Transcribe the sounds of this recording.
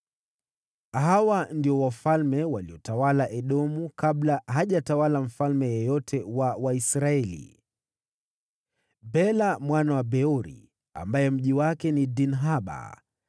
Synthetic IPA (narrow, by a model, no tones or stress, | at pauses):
ɦawandiɔwafalmɛwaliɔtawalaʔɛɗɔmukaɓlaɦaʄatawalam̩falmɛjɔjɔtʰɛwawaisɾaɛlḭ | bɛlamwanawabɛɔɾḭ | a̰mbajɛm̩ʄiwakɛnidinɦaɓa̰